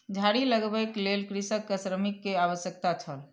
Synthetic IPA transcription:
d͡ʒʱaɽiləɡbɛklelkɾisəkːəsɾəmikːeaʋəsjək̚t̪at͡ʃʰəl

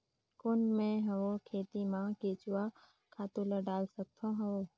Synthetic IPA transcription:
kʊnmẽɦɐʋokʰeːt̪imãːkeːt͡ʃʊwa | kʰaːt̪uləɖaːlsək̚t̪ʰõɦɐʋoː

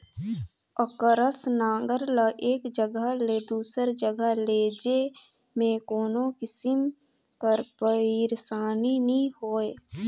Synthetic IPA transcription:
əkəɾəsnãːŋɡəɾləʔeːkd͡ʒəɡəɦleːd̪uːsəɾd͡ʒəɡəleːd͡ʒe | mẽkoːnõkɪsɪm | pəɾpəiɾsaːninĩhoːeː

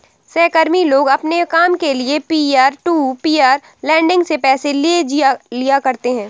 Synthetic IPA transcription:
sɛːkəɾmiloːɡɐpnekaːmkeliepiːaːɾʈuːpiːaːɾ | lɛ̃ːɳɖɪ̃ŋɡsepɛːselied͡ʒialijakɐɾt̪eɦɛ̃ː

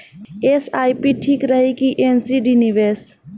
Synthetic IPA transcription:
esajpiʈʰikɾəɦikiʔensiɖiniʋes

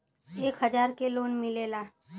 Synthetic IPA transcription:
eːkɦəd͡ʒaːɾkeloːnmɪleːlaː

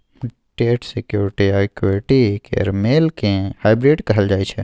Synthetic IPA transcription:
ʈeːʈsekjuːɾɪʈiakjuɾɪʈikḛɾmeːlkẽhaːɪbɾɪɖkɐɦəld͡ʒaːit͡ʃʰɛ

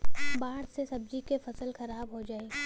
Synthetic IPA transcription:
baːɦəɽsesɐb̚d͡ʒikefɐsəlxɐɾaːbɦod͡ʒaːeː

